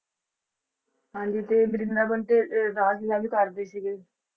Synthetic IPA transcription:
ɦãːɲd͡ʒiːt̪eːbəɾɪnd̪aːbəɳʈeːɾaːsɪzaːbiːkəɾd̪eːsiɡeː

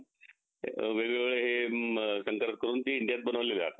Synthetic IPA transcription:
ʋeʋiʋeɭeɦesəŋkəɾəʈ̪kəɾuːnt̪iːiɳɖijat̪̚bənəʋlelea̰t̪a

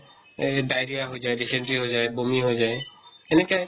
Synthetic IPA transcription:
dajɹijaɦojzajdisɛntɹiɦojzajbomiɦojzajɛnɛkaj

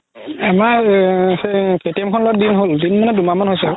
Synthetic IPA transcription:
amaseketiɛmkʰɔnloɔt̚dinɦoldinmɔnɛdumamanɦojsɛ

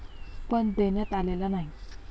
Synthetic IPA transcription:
pəɳd̪enjat̪alelanaɦi

